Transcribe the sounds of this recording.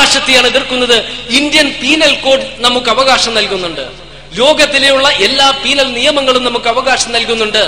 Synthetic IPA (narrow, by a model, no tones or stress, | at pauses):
aːɕɐt̪ːijaːɳeðirkːunːɐðɨind̪jɐnpiːnɐlko̞ːɖnɐmukːɐʋɐɣaːɕɐmnɐlkunːuɳɖɨ̰ | lo̞ːɡɐt̪ːilejuɭːɐʔe̞lːaːpiːnɐlnijɐmɐŋːɐɭumnɐmukːɨɐʋɐɣaːɕɐmnɐlkunːuɳɖɨ